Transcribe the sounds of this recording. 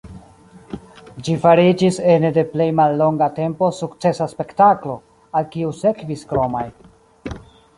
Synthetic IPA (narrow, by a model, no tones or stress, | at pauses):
d͡ʒifaɾid͡ʒisende̞ple̞jmalːo̞ŋɡate̞mpo̞sukt͡se̞saspe̞ktaklo̞ | alkiuse̞kviskɾo̞maj